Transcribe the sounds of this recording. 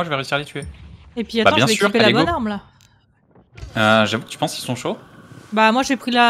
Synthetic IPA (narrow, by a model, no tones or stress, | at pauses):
aʒəvɛʁeysiʁalet̪ʰyeepɥiatbãbjɛ̃vsekyʁupelabɔnaʁmla | øʒavukə̥t̪y̥pɑ̃skilsɔ̃ʃobamwaʒepχila